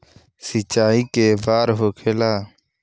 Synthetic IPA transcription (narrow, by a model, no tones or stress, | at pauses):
sɪt͡ʃaːiːkeːbaːɾɦoːkʰeːlaː